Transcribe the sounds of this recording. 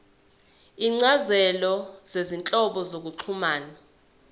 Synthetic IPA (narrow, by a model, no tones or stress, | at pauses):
iŋ͡ǀazɛlɔz̥ezint͡ɬʼɔɓɔzok̬uǃʰumaːna